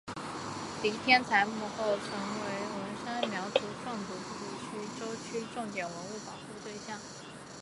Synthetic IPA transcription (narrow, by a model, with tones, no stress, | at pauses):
li˧˥t̪ʰjɛ˥nt͡sʰa˧˥ɪmu˥˧xo˥˩ʊʈ͡ʂʰɤ˧˥ŋwe˧˥ɪwə˧˥nʂa˥nmjɑ˧˥ʊt͡su˧˥ʈ͡ʂʰwɑ˥˩ŋt͡su˧˥pu˥˩u˥˩t͡ɕʰy˥ʈ͡ʂo˥ʊt͡ɕʰy˥ʈ͡ʂʊ˥˩ŋt̪jɛ˨˩nwə˧˥nu˥˩pɑ˨˩xu˥˧t̪we˥˧ɪɕjɑ˥˩ŋ